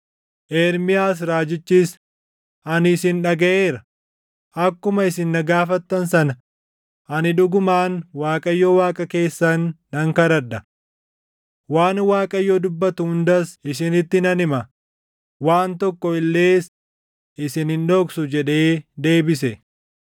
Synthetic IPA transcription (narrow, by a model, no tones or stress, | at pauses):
ʔeːɾmɪjaːs̬ɾaːd͡ʒɪt͡ʃːiːs | ʔɐnɪsɪnᶑɐɡɐʔe̞ːɾɐ | ʔɐkːʊmɐɪsɪnːɐɡaːfɐt̪ːɐnsɐnɐ | ʔɐnɪᶑʊɡʊmaːnwaːkʼɐjːɔwaːkʼɐke̞ːsːɐnː | ɐŋkɐɾɐᶑɐ | waːnwaːkʼɐjːɔd̪ʊbːɐt̪ʊhʊnd̪ɐsɪsɪnɪt̪ːɪnɐnɪmɐ | waːnt̪ɔkːɔɪlːe̞ːs | ʔɪsɪnhɪnᶑoːksʊd͡ʒɛᶑe̞ːd̪e̞ːbɪsɛ